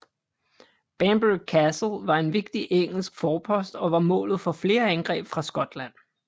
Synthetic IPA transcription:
b̥æmb̥kʰæsl̩ʋɑ̈e̝nʋe̝ɡ̥̚d̥iʔeŋ̰l̩sɡ̥fɒːpʰɒ̽sd̥ɒ̽ʋɑ̈mɔ̰̽ːlð̞̩ˠfɒ̽fle̝ːɐænɡ̥ʁɛ̰ːb̥fʁɑ̈sɡ̥ɒ̽d̥læn̰

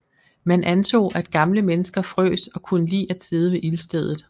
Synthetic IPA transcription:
mænʔænt͡sʰo̝̰ːʔæd̥ɡ̥ɑ̈mləmenəsɡ̥ɐfʁø̰ːsɒ̽kʰunəlḭːʔæd̥se̝ð̞ˠəʋe̝ʔilsd̥eð̞ˠð̩ˠ

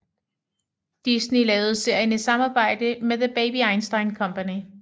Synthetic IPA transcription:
d̥isnilɛːʊð̞̩ˠse̝ɐ̰jənəsɑ̈mɑ̈ːb̥ɑ̈ɪ̰d̥əmeðəb̥eɪbiɑ̈ɪnsd̥ɑ̈ɪnkʰɒ̽mpʰæni

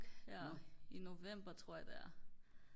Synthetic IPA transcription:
ino̝ʋem̰b̥ɐt͡sʰʁo̝ɐ̰jɑd̥eæɐ

